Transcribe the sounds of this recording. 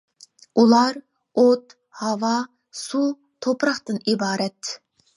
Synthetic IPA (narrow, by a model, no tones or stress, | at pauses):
ulˠɑɾ | ot̪ | hɑwɑ | su | t̪ʰopɾɑχt̪ɨnibɑːɾɛt̪